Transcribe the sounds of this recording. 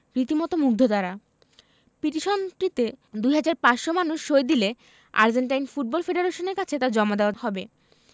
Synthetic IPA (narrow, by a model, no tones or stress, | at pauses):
ɾit̪imɔt̪omuɡ̚d̪ʱod̪aɾa | piʈiʃont̪ɾit̪ed̪ujɦad͡ʑaɾpaʃomanuʃːojd̪ile | a̰ɾd͡ʑeɳʈajnfuʈ̚bɔlfeɖeɾeʃoneɾkat͡ɕʰet̪aɾd͡ʑɔmad̪eoahɔbe